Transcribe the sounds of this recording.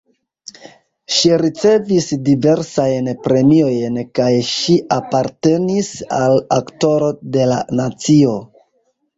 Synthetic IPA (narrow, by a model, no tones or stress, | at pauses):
ʃiɾit͡se̞visdive̞ɾsajnpɾe̞mio̞jnkajʃiʔapaɾte̞nisalakto̞ɾo̞de̞la̰nat͡sio̞